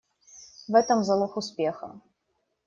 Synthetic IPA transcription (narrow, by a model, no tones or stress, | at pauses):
vɛtʰɐmzɐlˠɐxuspʲexɐ̰